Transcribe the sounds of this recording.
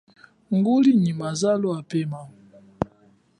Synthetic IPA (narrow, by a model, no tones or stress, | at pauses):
ŋɡoliɲimazaloapɛma